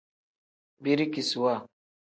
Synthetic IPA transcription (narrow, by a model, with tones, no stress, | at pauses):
bi˦ɾi˦ki˨su˨wa˦˨